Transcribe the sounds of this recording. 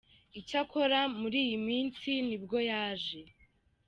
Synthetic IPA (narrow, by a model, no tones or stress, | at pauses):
icako̞ɾamuɾiːjimiːnsinibɡo̞jaːʒe̞